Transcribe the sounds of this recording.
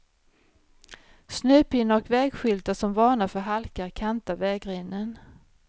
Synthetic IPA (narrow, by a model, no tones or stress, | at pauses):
snʉ̟ːpɪnːaɔkvɛːɡɧʏlt̪asɔmvɑːɳafœɾɦalkaɾkʰant̪avɛːɡɾeːnːən